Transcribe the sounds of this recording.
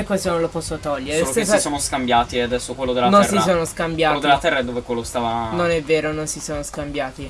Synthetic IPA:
ekːosonõnlopɔsːot̪ɔʎːeɾeosoessoːnoskambjaːt̪iead̪ɛsːokwelːod̪elanonsisoːnoskambjaːelod̪elːat̪ɛɾrːaɛd̪ːoːvekwelːost̪avanonɛvːeːɾononsisoːnoskambjaːt̪i

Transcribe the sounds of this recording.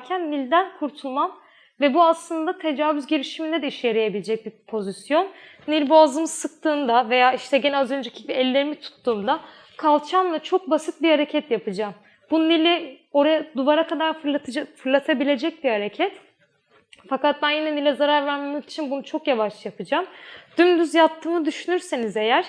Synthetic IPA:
cʰænːilʲd̪ænkʰuɾt̪ʰulˠman | vɛbuaslˠɯnd̪at̪ʰe̞d͡ʒaːvyzɟeɾiʃimind̪ɛd̪ɛiʃeɾejebilʲed͡ʒɛc̚bipʰo̞zisjo̞nː | ilʲbaːzɯmɯz̥sɯk̚t̪ʰɯːnd̪ave̞jaːiʃt̪ʰɛɟnɛazø̞nd͡ʒecʰi̥biɛlʲːe̞ɾimit̪ʰu̥t̪ʰːuːmd̪a | kʰalˠt͡ʃʰamlˠat͡ʃʰo̞k̚basɯt̪̚bihaɾe̞cʰɛt̪japɯd͡ʒaːm | bunilʲio̞ɾajad̪uvaɾakʰad̪aɾˠafɯɾlˠat̪ʰabilʲe̞d͡ʒɛc̚bihaɾecʰɛt̪ | fakat̪̚bænjinɛnilʲɛzaɾaɾvæɾmamaki̥t͡ʃʰinbunut͡ʃʰo̞kjavaʃˠjapʰɯd͡ʒamd̪̥ymd̪yzjapt̪ːɯːmɯd̪yʃynyɾsenize̞jæɾ̥

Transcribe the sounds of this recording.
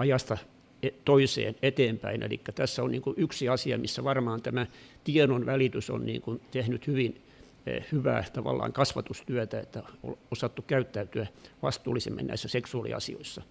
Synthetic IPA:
ɑjɑst̪ɑ | et̪oisḛːnet̪eːmpæinʔḛlḭkːæt̪æsːæonnḭːŋkuyksiɑsiɑ̰misːæʋɑrmɑːnt̪æmæt̪ienonʋælit̪yso̰nnḭːŋkunt̪ehnyt̪hyʋinː | hyʋæ̰ːt̪ɑʋɑ̰lːɑ̰ːŋkɑsʋɑt̪ust̪yæt̪æet̪ːæo̰losɑt̪ːukkæyt̪ːæyt̪yæʋɑst̪uːlːˑisemːḛnæ̰isːæseksuɑlḭɑ̰sḭo̰isːɑ

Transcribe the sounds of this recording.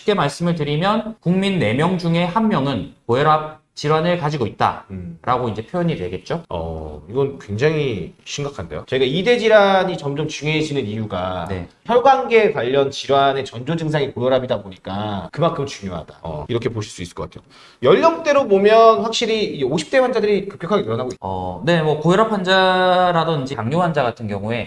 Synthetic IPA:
k͈emaɭs͈ɯmɯɭt̬ɯɾimjʌnkuŋminːe̞mjʌŋd͡ʑuŋe̞hamːjʌŋɯnkojʌɾap̚ | t͡ɕiɾwanɯɭkad͡ʑiɡoit̚t͈a̰ɾʔaɡoind͡ʑe̞pʰjojʌɲidwe̞̰ɡe̞t̚t͡ɕ͈oʌ̰iɡʌnkwe̞ŋd͡ʑaŋiɕʰiŋɡakʰande̞̰jot͡ɕeɡaide̞d͡ʑiɾaɲit͡ɕʌmd͡ʑʌmt͡ɕuŋeɦed͡ʑinɯnijuɡane̞̰çʰʌɭɡanɡe̞kwaʎːʌnt͡ɕiɾwane̞t͡ɕʌnd͡ʑod͡ʑɯŋs̬ʰaŋikojʌɾabidaboɲik͈akɯmankʰɯmt͡ɕuŋjoɦa̰da̰iɾʌkʰe̞poɕʰiɭs͈uis͈ɯɭkʌk͈atʰejo | jʌɭdʌbut͈e̞ɾobomjʌnɸwak̚ɕ͈iɾiioɕʰi̥p̚t͈e̞wand͡ʑadɯɾikɯ̥p̚k͈jʌkʰaɡetɯɾʌnaɡoiʌ̰ne̞mwʌkojʌɾapʰand͡ʑaɾadʌnid͡ʑikaŋɲoɦand͡ʑaɡatʰɯnɡjʌŋue̞

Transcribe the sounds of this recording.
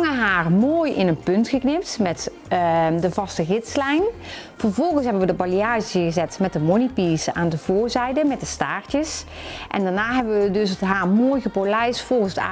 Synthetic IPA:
ŋəɦaːrmoːjɪ̰nənpɵntχəknɪp̚tmɛt | dəvɑstəɣɪtslɛjnv̥əɹvɔlˠɣənsɦɛbənʋədəbɑliaːʒəɣəzɛtmɛt̚dəmonipiːsaːndəv̥oːɹzɛjdəmɛt̚dəstaːɹtəs | ʔɛ̰ndaɹnaːɦɛbəʋədɵsətɦaːɹmoːjɣəpolɛjsfɔlˠχənsta̰

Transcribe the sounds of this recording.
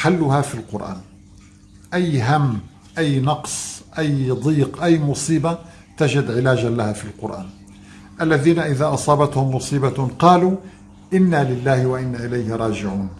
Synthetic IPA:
ħalːʊhaːfilqʊɾʔa̰ːn | ʔajːɦamː | ʔajːnɑqsˤʔajd̪ˤiːqʔajːmʊsˤiːba | t̪ad͡ʒɪd̪ʕɪlaːd͡ʒalahaːfilqʊ̰ɾʔa̰ːn | ʔalːaðiːnaʔɪðaːʔɑsˤɑːbat̪hʊmːʊsˤiːbaqɑːluː | ʔɪnːaːlɪlːaːhɪwaʔɪnːaːʔɪlajhɪɾˤɑːd͡ʒɪʕuːn

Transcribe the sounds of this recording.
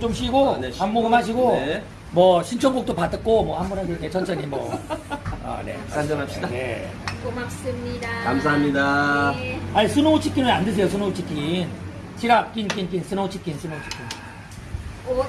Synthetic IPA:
t͡ɕomɕiɡonammoɡɯmɦaɕ̬ʰiɡo | mwʌɕʰint͡ɕʰoŋɡok̚t͈opat͈ɯk͈omwʌhambunaɡekʰet͡ɕʰʌnt͡ɕʰʌɲimwʌ | ʌ̰nḛand͡ʑʌnap̚ɕ͈idane̞̰ | mas͈ɯmɲidakamsʰaɦamɲida | aisʰunout͡ɕʰik͈inɯnandes̬ʰejos̬ʰunout͡ɕʰik͈in | t͡ɕʰiɾak̚k͈ink͈ink͈insʰɯnout͡ɕʰik͈insʰunout͡ɕʰi̥k͈in

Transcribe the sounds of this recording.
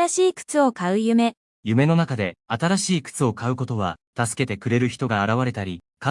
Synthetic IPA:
aɕiːkɯ̥t͡sɨo̞kaɯ̟jɯ̟me̞ | jɯ̟me̞no̞nakad̪e̞at̪aɾaɕiːkɯ̥t͡sɨo̞kaɯ̟ko̞t̪o̞β̞a̰t̪asɨ̥ke̞t̪e̞kɯ̟ɾe̞ɾɯ̟çi̥t̪o̞ɡaːɾaβaɾe̞t̪aɾʲika

